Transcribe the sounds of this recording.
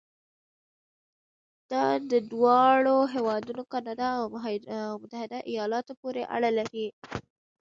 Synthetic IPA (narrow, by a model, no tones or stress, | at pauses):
d̪̥ɑd̪əd̪wɑɭoɦewɑd̪unokɑnɑd̪ɑaw | mʊt̪ahɪd̪aʔijɑlɑt̪opoɾeʔa̰ɽəlai